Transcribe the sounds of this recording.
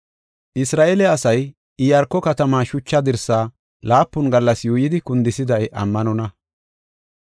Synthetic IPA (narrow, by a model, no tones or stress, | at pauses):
ʔɪsɾaːʔelɛɐsɐj | ɪjɐɾkːɔkɐt̪ɐmaːʃʊt͡ʃːɐd̪ɪɾsaː | laːpːʊnɡɐlːɐsjuːjɪd̪ɪkʊnd̪ɪsɪd̪ɐjʔɐ̰mːɐnɔnɐ